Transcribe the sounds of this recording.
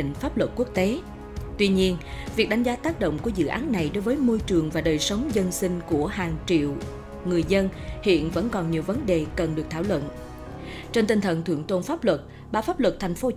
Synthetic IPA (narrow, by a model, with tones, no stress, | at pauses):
ŋ̟faː˦˥p̚lwə˨˩t̚ku˦˥ək̚t̪e˨˦ | t̪wi˧ɲi˧ənvi˨˩ək̚ɗa˨˦jŋ̟zaː˨˦t̪aː˦˥k̚ɗo̰˧˨wŋ͡mku˧˩əzɨ̰˧˨ʔa̰ː˨˦nːa˨˩jɗo˨˦jvəː˨˦jmo˧jt͡ɕɨ˨˩əŋvaː˨˩ɗəː˨˩jsə˨˦wŋ͡mzə˧nsï˧ŋ̟ku˧˩əɦaː˨˩ŋt͡ɕḭ˧˨w | ŋɨ˨˩əjzə˧nhḭ˧˨ənvə̰˧˥nkɔ˨˩nɲi˨˩əwvə˨˦nɗe˨˩kə˨˩nɗɨ˨˩ək̚t̪ʰaː˧˩wlwə̰˧˨n | t͡ɕe˧nt̪i˧ŋ̟t̪ʰə̰˧˨nt̪ʰɨ̰˧˩əŋt̪o˧nfaː˦˥p̚lwə˨˩t̚ | ɓaː˨˦˩wfaː˦˥p̚lwə˨˩t̚t̪ʰa˨˩jŋ̟fo˨˦